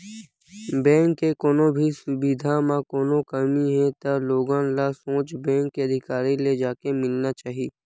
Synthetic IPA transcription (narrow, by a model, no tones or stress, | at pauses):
bɛ̃ːŋkːekoːnõbʱisʊbid̪ʱamãkoːnõkəmiɦɛ̃t̪aloːɡãlasõːt͡ʃbɛ̃ːŋkːeəd̪ʱɪkaːɾiled͡ʒaːkemɪlnat͡ʃaːɦieː